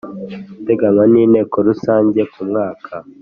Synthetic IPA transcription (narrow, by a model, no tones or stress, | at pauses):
te̞ɡaŋwaniːne̞ːkoɾusaːɲɟe̞kumŋaːkʰa